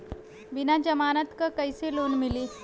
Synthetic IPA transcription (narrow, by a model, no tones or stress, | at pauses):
ʋinad͡ʑəmanat̪kəkəjselonmiliː